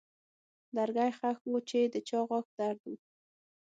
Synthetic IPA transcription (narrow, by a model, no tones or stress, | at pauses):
d̪aɾɡajχaxŋut͡ʃed̪ət͡ʃɑʁɑk̚d̪̥aɾd̪əm